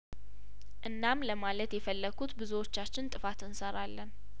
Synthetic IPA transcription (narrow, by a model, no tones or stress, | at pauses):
ʔɨnːamləmalət̪jɛfəlːəɡʰut̪bɨzuwo̞t͡ʃːat͡ʃːɪnt̪ʼɨfat̪ɨnsəɾalːən